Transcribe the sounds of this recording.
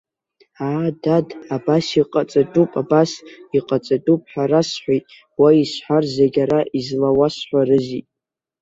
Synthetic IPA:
adadabasiqʼat͡sʼatʼupʼabasiqʼat͡sʼatʼupʼħaɾasħʷajtʼ | waisħʷarzeɡʲaɾaʔizlawasħʷarɨzitʼ

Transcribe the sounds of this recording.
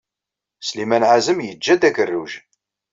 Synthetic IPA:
slimænʕazəmjəd͡ʒːæd̪ækərːuʒ

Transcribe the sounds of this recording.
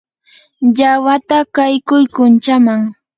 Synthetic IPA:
ʎawat̪akajkʊjkʊnt͡ʃamaŋ

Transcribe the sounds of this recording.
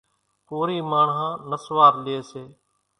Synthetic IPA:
koːɾiːmaːɳɦãːnəsʋaːɾlɪeːseː

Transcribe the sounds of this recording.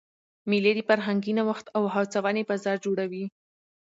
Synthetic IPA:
mileɾifaɾɦaŋɡinawaxt̪awɦawt͡sawɑnebazɑɾd͡ʒoɽawi

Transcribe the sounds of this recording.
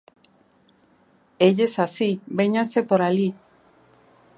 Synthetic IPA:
eʎesasibeɲasepoɾali

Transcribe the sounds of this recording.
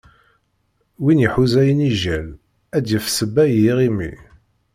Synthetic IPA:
winjəħuzæjəniʒæl | æd̪jəfsəbːæjiʁimḭ

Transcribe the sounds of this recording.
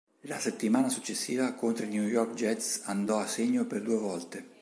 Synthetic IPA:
laset̪ːimaːnasut͡ʃːesːiːvakont̪ɾenjujɔrkd͡ʒɛt̪sand̪ɔaseɲːoperd̪uevɔlt̪e

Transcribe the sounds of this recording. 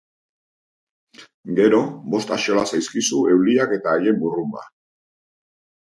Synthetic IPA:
ɡe̞ɾo̞bo̞st̪aʃo̞lasajskisue̞wliake̞t̪aːje̞mburuma̰

